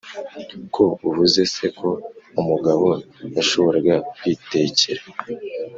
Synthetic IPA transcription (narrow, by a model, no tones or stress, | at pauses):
kʰo̞uvuze̞se̞kʰo̞umuɡaβo̞jaʃo̞βo̞ɾaɡakwiːte̞ciɾe